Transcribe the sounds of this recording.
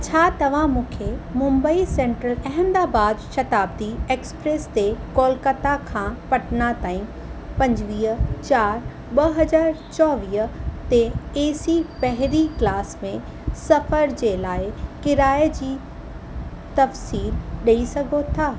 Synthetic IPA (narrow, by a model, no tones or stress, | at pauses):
t͡ɕʰaːt̪ɐʋ̤ãmũːkʰemʊ̃mbəisẽːɳʈɾəlɐɦə̃nd̪aːbaːd̪ʃɐt̪aːbd̪ieːkspɾeːst̪ekoːlkət̪akʰãːpɐʈnat̪aːĩ | pɐ̃ɲd͡ʑʋiːt͡ɕaːɾ | ɓɐɦɐzaːɾt͡ɕɔːʋiːt̪eeːsipɐɦɪɾiklaːsmẽ | sɐfəɾd͡ʑeːlaːɪkɪɾaːed͡ʑiː | t̪ɐfsiːlɗɐisɐɡʱot̪ʰaː